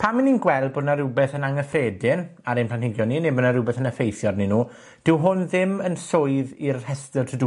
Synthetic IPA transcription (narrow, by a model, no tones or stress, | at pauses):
pʰamininɡwɛlˠb̚bodnaɾubɛθənaŋəfeːdɪnaɾejnplˠanhɪɡjɔninebənaɾʊbɛθənəfejθjɔrninuː | d̥ɪwɦʊnðɪmənsoɨðirhɛstərtʰədu